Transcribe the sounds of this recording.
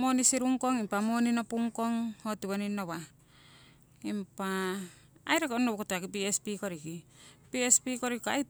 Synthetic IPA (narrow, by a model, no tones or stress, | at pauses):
mo̞nisiɾuŋko̞ŋimpamo̞ninopuŋko̞ŋhotiβoninːoβa | impaː | jɾekonoβkotakip̬iespikoɾikipiespikoɾikoa̰j